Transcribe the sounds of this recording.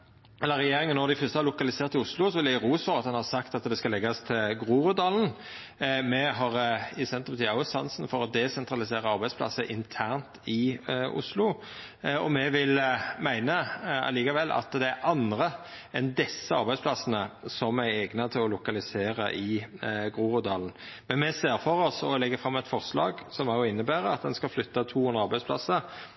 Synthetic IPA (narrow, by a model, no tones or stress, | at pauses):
ɛlːəɾɛjeːʁɪŋənːɔɾd̪ɪfœst̪əhɑɾlʊkɑlɪseːɾt̪ɪʊslʊsɔʋɪlæɾʁuːsfɔʁɑt̪hɑnhɑʁsɑkt̪ɑt̪d̪ɛskɑlɛɡɑst̪ʰɪlɡʁuːʁʉd̪ɑln̩ | mɛɦɑʁɪsɛnt̪əpɑt̪ʰiːɑʊsɑnsn̩fɔɾɔd̪ɛsɛnt̪ʁɑlɪseːʁəɑɾbæɪd̪spʰlɑ̰səʔɪnt̪ʰæːʁnt̪ʰɪʊ̰slʊ | ɔ̰mɛʋɪlmæɪnəɑ̰liːkɑʋɛlːʔɑ̰t̪d̪ɛæɾʔɑnʁə | ɛnd̪ɛsːəɑɾbæɪspʰlɑsənəsɔmæɛɡnət̪ʰɪlɔlʊkɑlɪseːʁəʔɪɡʁuːʁʊd̪ɑːln̩ | mɛnmɛseːʁfɔʁɔsɔlɛɡːəfʁɑmːɛt̪fɔʁslɑ̰ːɡsɔmɑjʊɪnːəbæːɾəɑt̪̚d̪ɛnskɑlflʏt̪ːɑt̪ʰuːhʉnd̪ʁəɑɾbæɪspʰlɑ̰səɾ